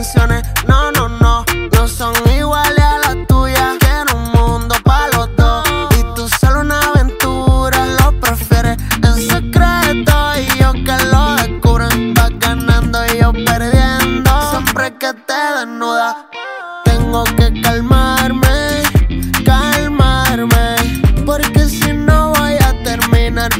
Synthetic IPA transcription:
nsjonenonõnonosoŋiɣwalealat̪uʝakjeɾuŋmũnd̪opalot̪oit̪usolounaβent̪uɾalo̞pɾefjeɾeensekɾet̪oiʝokeloðekuβɾeŋbaɡanãnd̪oijo̞peɾðjend̪osjempɾeket̪eðenuða | t̪eŋɡokekalmaɾme | kalmaɾmepoɾkesinoβojat̪eɾmĩnaɾ

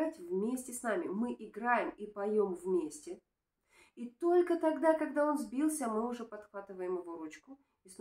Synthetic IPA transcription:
atʲvmʲesʲtʲɪsnamʲɪmɨʔɪɡɾajɪmipɐjo̞mvmʲesʲtʲɪ | it̪o̞lʲkət̪ɐɡd̪akɐɡ̚d̪ao̞nzbʲilˠsʲəmɨʊʐɛpɐt̪xvat̪ɨvəjɪmɪvoɾut͡ɕkʊ | is

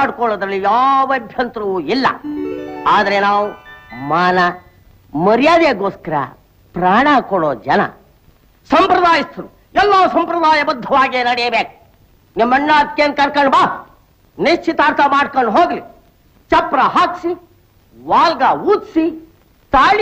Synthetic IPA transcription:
aːɽkɔɭːɐd̪ɾɐlːijaːʋɐbʱjɐnt̪ɾuʋuilːɐ̰ | aːd̪ɐɾenaːʋumaːnɐ | mɐɾijaːd̪eːɡoːskɐɾɐ̰ | pɾaːɳakɔɽoːd͡ʒɐnɐ̰ | sɐmpɾɐd̪aːjist̪ɐɾu | ɛlːaːsɐmpɾɐd̪aːjɐbɐd̪ʱːɐʋaːɡeːnɐɽɛjɐbeːku̥ | nɐmːɐɳːaːt̪̚keːn̚kɐɳkɐɳɖbaː | neʃt͡ʃʰːit̪aːɾt̪ɐmaːɽkɐɳɖɦoːɡli | t͡ʃɐpɾɐɦaːksi | ʋaːlɡaːuːt̪si | t̪aːɭ

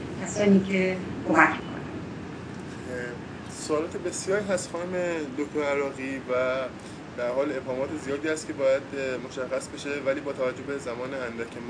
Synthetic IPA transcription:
kʲʰæsɒːniːcʰekomækkʰo̰næn | soːlɒːt̪ebe̞sjɒːɾiɦæst̪xɒːnome̞d̪oct̪oɾæɾɒːɣiːvæ | d̪æɾhɒːle̞bhɒːmɒːt̪ʰe̞zijɒːd̪iːæst̪̚cʰʲe̞bɒːjæd̪mo̞ʃæxːæsbe̞ʃe̞væliːbɒːt̪ʰævæd͡ʒːohbe̞zæmɒːneænd̪æcʰem

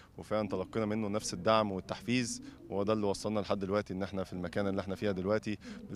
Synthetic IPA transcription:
wefæʔænt̪ælɑqːenɑmenːonæfsed̪ːaʕmwet̪ːaħfiːzwowæd̪æːlːiwɑsˤːɑlnɑleħad̪ːelwæʔt̪iʔenːʔeħnæfilmækæːnʔelːiʔeħnæfiːhæd̪elwæʔt̪ibe

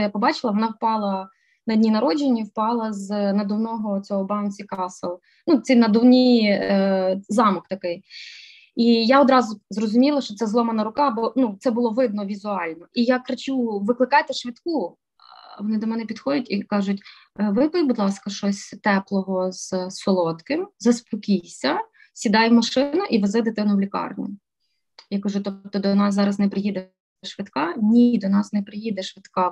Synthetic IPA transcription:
japɔbɑt͡ʃɪlˠɐʋɔnɑwpɑlˠɐ | nɐdʲnʲinɐɾɔd͡ʒenʲːiwpɑlˠɐznɐd̪ɔwnɔɦɔt͡sʲɔɦɔbɑwnʲsʲikɑselˠ | nut̪sʲinɐd̪ʊwnʲi | zɑmɔkt̪ɐkɪj | ijaɔd̪ɾɑzʊzrɔzʊmʲilˠɐʃt͡ʃɔt̪sɛzlˠɔmɐnɐɾʊkɑbɔnut̪sɛbʊlˠɔʋɪd̪̚nɔʋʲizʊɑlʲnɔʔijakɾɐt͡ʃuʋɪklˠɪkɑjt̪ɪʃʋʲit̪ku | ʋɔnɪd̪ɔmɛnɛpʲid̪xɔdʲɐtʲikɑʒʊtʲ | ʋɪpbud̪lˠɑskɐʃt͡ʃɔsʲt̪ɛplˠɔɦɔz̥sːɔlˠɔt̪kɪmzɐspɔkʲijsʲɐ | sʲid̪ɑjwmɐʃɪnʊʔiʋɐzɪd̪ɪt̪ɪnʊwlʲikɑ̰rnʲɪ̰ | jakɐʒʊt̪ɔp̚t̪ɔd̪ɔnɑsːɑɾɐznɛpɾɪjid̪e | ʃʋɪt̪kɑnʲid̪ɔnɑsnɛpɾɪjid̪ɛʃʋɪt̪kɑ

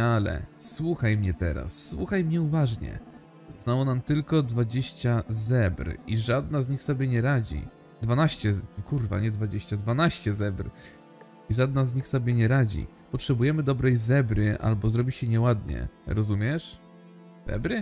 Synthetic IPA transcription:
alɛ̰swuxajmɲɛt̪ɛ̰ɾa̰sːwṵxajmɲɛuvaʐɲɛ̰ | znawɔnamt̪ɘlkɔd̪vad͡ʑeɕt͡ɕazɛbɾiʐad̪nazɲixsɔbʲjɛɲɛɾad͡ʑḭ | d̪vanaɕt͡ɕɛkuɾva̰ɲɛd̪vad͡ʑeɕt͡ɕad̪vanaɕt͡ɕɛzɛbɾ | iʐad̪nazɲixsɔbʲjɛɲɛɾad͡ʑḭ | pɔtʂɛbujɛmɘd̪ɔbɾɛjzɛbɾɘʔa̰lbɔzɾɔbʲiɕɛɲɛwad̪ɲɛ̰ɾɔzumʲjɛʂ | z̥ɛ̰bɾɘ

